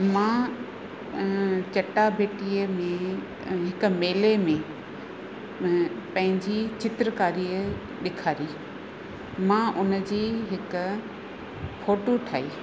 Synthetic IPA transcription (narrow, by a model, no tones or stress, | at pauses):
mãː | t͡ɕɐʈabʱeːʈiːəmẽ | ɦɪkʊ̆meːlemẽ | pɐ̃ɦɪ̃ɲd͡ʑit͡ɕɪt̪ɾəkaːɾiːə | ɗɪkʰaːɾiː | mãːʔʊn̆d͡ʑiːɦɪkʊ̆ | foːʈoʈʰaːiː